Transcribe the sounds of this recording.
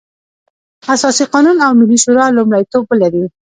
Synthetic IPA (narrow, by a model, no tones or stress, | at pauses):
asɑsiqɑnunawmɪlːiʃoɾɑlʊmlajt̪obəlaɾi